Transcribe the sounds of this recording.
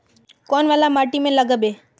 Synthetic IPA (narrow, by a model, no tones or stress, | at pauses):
kɔːnʋaːlamaːʈimẽləɡəbeː